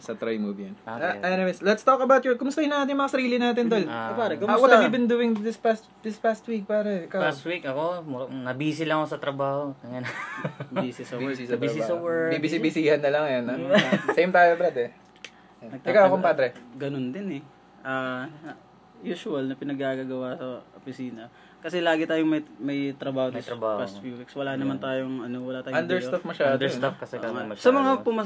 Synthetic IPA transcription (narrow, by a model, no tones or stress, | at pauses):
sɐt̪ɾajmubjɐnaʔajnɛmɛslɛt̪st̪okɐbawt̪jɔɹkʊmʊst̪ɐhɪnɐ̃ʔaːt̪ɪnjmɐŋasɐɾiːlɪnaːt̪̬ɪnd̪olpaɾɐkʊmwɔt̪amibɪnd̪uːɪŋd̪ɪspast̪d̪ɪspast̪wik̚paːɾɛkalst̪wikɐkomnɐbiːsɪlɐŋkosɐt̪ɾɐbaːhoɐŋan | isɪsɐbsɪsɐbɐsaːɐwɛibɪsibɪsiːhɐnːɐlɐŋɐjonɐsejmt̪aːjobɾad̪ɛ | nɐɡ̚t̪ːkawkompad̪ɾɛɡɐnond̪ɪnɛ | ʔaː | juːʃʊɐlnɐpɪnɐɡ̚ɡaːɡaɡɐwasɐʔopɪsiːnɐ | kɐsɛlaːɡɪt̪aːjoŋmɐjmɐjt̪ɾɐbaːhod̪st̪ɾɐbaːhpast̪fjuwikswɐlaːnɐmant̪aːjoŋʔɐnowɐlat̪aːɐnd̪ɛɹjt̪ɐfmɐʃad̪ɛst̪afkɐsɛmɐsɐmɐŋapʊmɐ